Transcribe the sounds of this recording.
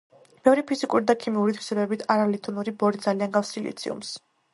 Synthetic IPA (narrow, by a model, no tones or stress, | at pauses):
b̥ɛvɾipʰizikʼuɾid̪akʰimiuɾit̪ʰwi̥sɛbɛbit̪ʰaɾalit̪ʰɔnuɾibɔɾid̪zalianɡafsilḭt̪sʰḭṵms